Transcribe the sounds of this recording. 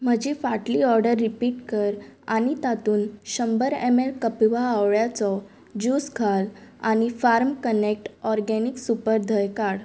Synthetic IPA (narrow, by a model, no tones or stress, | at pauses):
m̤əd͡ʑifaʈliɔɾɖəɾːipiːʈkəɾa̰ñit̪at̪uːnɕəmbəɾemelkəpiʋaːʋɭjat͡sɔ | d͡ʑuskʰala̰ñifaɾmkənek̚ʈɔɾɡɛniksupəɾd̪ʱəjkaɽ